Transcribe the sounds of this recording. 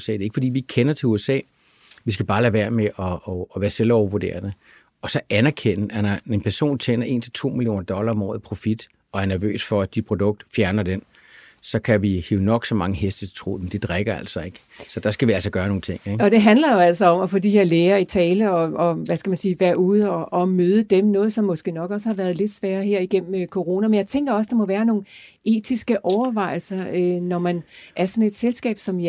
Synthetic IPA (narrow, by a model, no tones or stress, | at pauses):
sɛ̰deɐe̝ɡ̥fɒd̥ḭːʋieɡ̥kʰenɐt͡sʰe̝uesɛ̰ː | ʋis̬ɡ̥æb̥ɑ̈ːlæʋæɐ̰meʔɒ̽ːʋæːɐselɒʊɐʋoɐde̝̰ːɐnə | ɒ̽sɒ̽ʔænæɐkʰen̰̩ænɐe̝npʰæɐso̝̰ːnt͡sʰenɐʔe̝̰ːnt͡sʰe̝lt͡sʰo̝̰ːmilijo̝̰ːnɐd̥ɒ̽lɐɒ̽mɒ̰ːð̩ˠpʰʁo̝fid̥ | ɒ̽æɐnæɐʋø̰ːsfɒ̽æd̥i̥pʰʁo̝d̥ɔ̽ɡ̥̚d̥fjæɐnɐd̥en | sɒ̽kʰæʋiheʊnɒ̽ɡ̥sɒ̽mɑ̈ŋəɦesd̥ət͡sʰe̥t͡sʰʁo̝̰ːd̥emd̥ed̥ʁaɡ̥ɐæl̰sɒ̽e̝ɡ̥ | sɒ̽d̥ɑ̈sɡ̥æʋiæl̰sɒɡ̥ɶːɐno̝ːn̩t͡sʰe̝ŋ̰eɡ̥ɒ̽d̥e̝ɦæn̥lɐjo̝æl̰sɒ̽ɒ̽mɒfo̽d̥iheɐ̰leːɐit͡sʰɛːləɒ̽ɒ̽ʋæskæmænsiːʋæɐ̰uð̞̩ˠəɒ̽ʔɒ̽møːð̞ˠəd̥emnɔ̽ːð̞̩ˠsɒ̽mːɒ̽sɡ̥e̝̰ːnɒ̽ɡ̥ɒ̽s̬əhɑ̈ʋæːɐðˠle̝d̥sʋæːɐɦeɐ̰iɡ̥em̰m̩kʰo̝ʁo̝ːnæmenjɑ̈ɪt͡sʰeŋɡ̥ɐɒ̽s̬d̥ɑ̈mɒ̽ʋæːɐno̝ːn | e̝̰ːt͡sʰisɡ̥əʔɒʊɐʋɑ̈ɪ̰l̩sɐønɒmænʔæɐsɒ̽ne̝d̥selsɡ̥ɛ̰ːb̥sɒ̽m